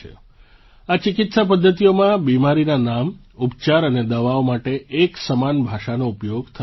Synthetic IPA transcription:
ḛ | at͡ʃɪkɪt̪sap̬əd̪ʱːət̪ijomãbimaɾinanam | upt͡ʃaɾəned̪əʋaomaʈeʔːksəmanbʱaʃanoupjoɡt̪ʰə

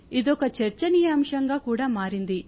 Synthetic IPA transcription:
id̪ɔkɐt͡ʃɐɾt͡ʃɐnijaːmʂɐŋɡaːkuːɽaːmaːɾind̪i

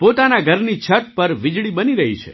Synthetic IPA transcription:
pot̪anaɡʱəɾnit͡ʃʰəʈ̚pəɾʋɪd͡ʒɭibəniɾəɦit͡ʃʰḛ

